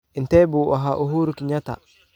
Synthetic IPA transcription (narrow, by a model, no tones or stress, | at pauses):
ʔintebuʔa̰ɦaʔuɦuɾukiɲata̰